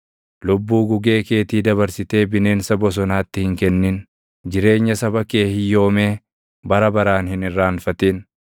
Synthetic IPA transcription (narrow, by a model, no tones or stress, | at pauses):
lʊbːuːɡʊɡe̞ːke̞ːt̪iːd̪ɐβɐɾsɪt̪e̞ːbɪne̞ːnsɐbɔs̬ɔnaːt̪ːɪhɪŋkɛnːɪn | d͡ʒɪɾe̞ːɲːɐsɐbɐke̞ːhɪjo̞ːme̞ː | bɐɾɐbɐɾaːnhɪnɪrːaːnfɐt̪eːn